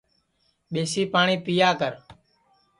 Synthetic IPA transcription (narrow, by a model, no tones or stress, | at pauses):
ɓeːsiːpaːɳiːpijaːkəɾ